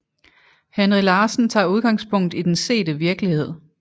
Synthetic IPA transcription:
hænʁilɑːsn̩t͡sʰɑ̰̈ːuð̞ˠɡ̥ɑ̈ŋspʰɔ̽ŋ̰d̥id̥ense̝̰ːd̥əʋiɐɡ̥lihe̝ð̞̰ˠ

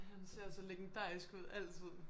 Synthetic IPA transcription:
ɦænse̝ɐ̰sɒleɡ̥end̥ɑ̰̈ːisɡ̥uð̞̰ˠæl̰t͡sʰið̞̰ˠ

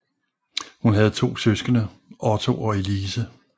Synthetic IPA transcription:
hunɦæð̞̩ˠt͡sʰo̝̰ːsøsɡ̥ənə | ʔɒt͡sʰo̝ʔɒ̽e̝liːsə

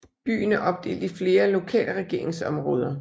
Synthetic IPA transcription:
b̥y̰ːnæʔɒ̽b̥̚d̥e̝̰ːld̥ifle̝ːɐlo̝kʰɛ̰ːləʁɛɡ̥e̝ɐ̰e̝ŋsɒ̽mʁɔ̽ːð̞ˠɐ

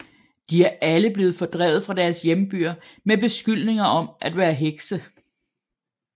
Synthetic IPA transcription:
d̥iæɐʔæləb̥le̝ːð̞̩ˠfɒ̽d̥ʁɛ̰ːð̩ˠfʁɑ̈d̥æɐsjemb̥yɐmeb̥e̝sɡ̥yl̰ne̝ŋɐʔɒ̽mʔæd̥ʋæːɐɦeɡ̥sə

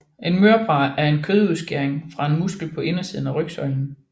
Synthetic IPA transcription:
ʔe̝nmøɐb̥ʁɑ̈ːæɐe̝nkʰøðˠuðˠsɡ̥eɐeŋfʁɑ̈e̝nmusɡ̥l̩pʰɒ̽ʔe̝nɐsiːð̞ˠn̩æʁœɡ̥sɒ̽ɪ̰n̩

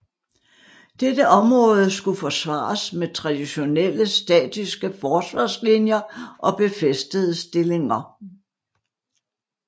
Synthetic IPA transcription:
d̥ed̥əʔɒ̽mʁɔ̽ːð̞ˠəsɡ̥ufɒ̽sʋɑ̰̈ːsmet͡sʰʁɑ̈d̥iɕo̝nel̰əsd̥ɛ̰ːd̥isɡ̥əfɒːsʋɑ̰̈ːslinjɐʔɒ̽b̥e̝fesd̥əð̞̩ˠəsd̥e̝le̝ŋɐ

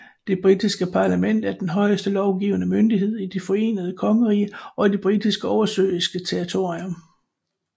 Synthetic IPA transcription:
d̥e̝b̥ʁid̥isɡ̥əpʰɑ̈ːlæmen̰d̥æɐd̥enɦɒ̽ɪəsd̥əlɒʊɡ̥iːʊənəmønd̥iɦe̝ð̞̰ˠid̥ifɒ̽e̝̰ːnəð̞̩ˠəkʰɒ̽ŋəʁḭːɒ̽id̥eb̥ʁid̥isɡ̥əɒʊɐsø̰ːisɡ̥ət͡sʰeʁit͡sʰo̝ɐʁiom

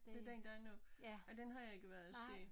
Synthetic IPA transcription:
dd̥e̝d̥end̥ɑænɔɒd̥enɦɑ̈jɑ̈e̝ɡ̥əʋæɐðˠæse̝̰ː

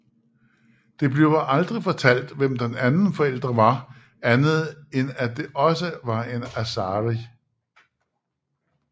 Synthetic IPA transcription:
d̥e̝b̥le̝ʊʔɑ̈ld̥ʁifɒ̽t͡sʰæl̰d̥ʋem̰d̥enænn̩fɒ̽el̰d̥ʁɐʋɑ̈ | ænð̞̩ˠenæd̥e̝ʔɒ̽səʋɑ̈e̝næsɑːʁi

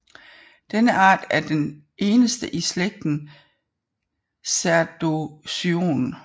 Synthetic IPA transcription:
d̥enəʔɑ̈ːd̥æɐd̥en | ʔe̝ːnəsd̥əʔisleɡ̥̚d̥n̩ | sæɐd̥osio̝̰ːn

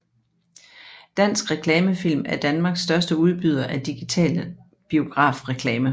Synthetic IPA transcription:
d̥æn̰sɡ̥ʁɛkʰlɛːməfil̰mæɐd̥ænmɑ̈ːɡ̥sd̥ɶɐsd̥əuð̞ˠb̥yð̞̰ˠɐʔæd̥iɡ̥it͡sʰɛ̰ːlə | b̥io̝ɡ̥ʁɑ̰̈ːfʁɛkʰlɛːmə

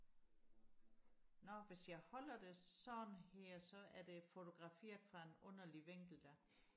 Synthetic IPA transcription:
nɒʋe̝sjɑ̈ɪhɒ̽l̰ɐd̥e̝sɒ̽nheɐ̰sɒ̽æɐd̥e̝fo̝t͡sʰo̝ɡ̥ʁɑ̈fe̝̰ːɐd̥ˠfʁɑ̈e̝nɔ̽n̰ɐliʋeŋ̰ɡ̥l̩d̥æ

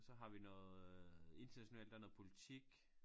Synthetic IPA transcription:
sɒ̽ɦɑ̈ʋinɔːð̩ˠe̝nd̥ɐnæɕo̝nɛ̰ːld̥æɐnɔ̽ð̩ˠpʰo̝lit͡sʰiɡ̥

